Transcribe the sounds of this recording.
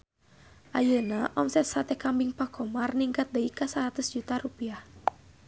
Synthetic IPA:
ʔajənaʔɔmsɛt̪̚sat̪ɛkambiŋpakɔmarniŋkat̪̚dəikasaɾat̪ʊsd͡ʒut̪aɾupiah

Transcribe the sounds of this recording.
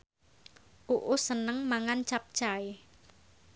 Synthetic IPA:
ʔuʔʊsənəŋmaŋant͡ʃap̚t͡ʃaɪ

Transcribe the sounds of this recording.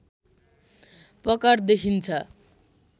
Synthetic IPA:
pʌkard̪ekʰint͡sʰʌ

